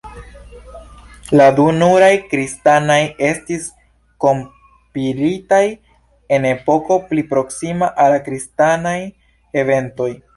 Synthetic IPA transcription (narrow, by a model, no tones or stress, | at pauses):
ladunuɾajkɾistanaje̞stis | ko̞m | piɾitaj | e̞ne̞po̞ko̞plipɾo̞ksimaʔalakɾistanaj | e̞ve̞nto̞j